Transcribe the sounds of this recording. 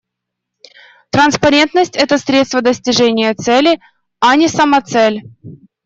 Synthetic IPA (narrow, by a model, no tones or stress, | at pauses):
t̪ɾənspɐɾʲe̞nt̪nəsʲtʲɛt̪əsʲɾʲet̪st̪vəd̪əsʲtʲɪʐɛnʲɪjət̪sɛlʲɪ | ɐnʲɪsəmɐt̪sɛlʲ